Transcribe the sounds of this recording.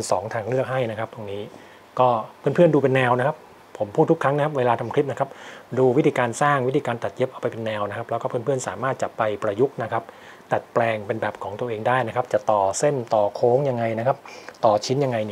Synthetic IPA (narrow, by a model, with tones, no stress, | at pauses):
nsɔː˩˦ŋt̪ʰaː˧ŋlɯ˥˩ək̚ɦa˥˩jna˦˥kʰa˦˥p̚t̪u˧ŋniː˦˥ | kɔː˥˩pʰɯ˥˩ənpʰɯ˥˩ənduː˧pe˧nːɛː˧wna˦˥kʰa˦˥pʰ | o˩˦mpʰuː˥˩t̪ːʰu˥kʰɾa˦˥ŋna˥kʰa˦˥p̚weː˧laː˧t̪ʰa˧mkʰi˦˥p̚na˦kʰa˦˥p̚duː˧wi˦˥t̪ʰiː˧kaː˧nsaː˥˩ŋwt̪ʰiː˧kaː˧nt̪a˨˩t̪̚je˦˥p̚ʔa˧wpa˧jpe˧nːɛː˧wna˥kʰa˦˥p̚lɛ˦˥wkɔː˥˩pʰɯ˥˩ənpʰɯ˥˩ənsa̰ː˩˦maː˥˩t̪̚t͡ɕa˨˩pa˧jpɾa˧ju˦˥k̚na˦˥kʰa˦˥p̚ | t̪a˨˩t̪̚plɛː˧ŋpe˧nbɛː˨˩p̚kʰɔː˩˦ŋt̪u˧əʔeː˧ŋdaː˥˩jna˦˥kʰa˦˥p̚t͡ɕa˨˩t̪ɔː˨˩se˥˩nt̪ɔː˨˩kʰoː˦˥ŋja˧ŋːa˧jna˦˥kʰa˦˥p̚t̪ɔː˨˩t͡ɕʰi˦˥nja˧ŋːa˧jni˧˩